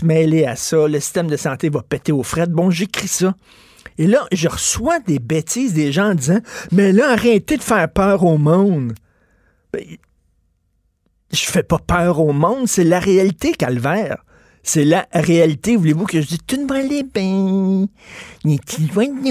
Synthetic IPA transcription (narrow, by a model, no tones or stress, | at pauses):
mɛleasʌləsi̥st̪ɛmd̪əsɑ̃t̪evʌpɛt̪eofʁɛt̪̚bɔ̃ʒekʁisʌ | elʌʒəʁəswad̪ebet̪izd̪eʒãːd̪izɑ̃mɛlʌaʁɛ̃t̪ed̪əfɛːʁpœːʁoːmɔ̃ʊ̃d̪ | b̥ɛ̰̃ | ʒ̥əfɛpɔpœːʁoːmɔ̃d̪selaʁealit̪ekalvɛːʁ | selaʁealit̪evulevukəʒd͡zit̪ynmalebɛ̃ | ɲet̪ʰilwɛ̃d̪ɲ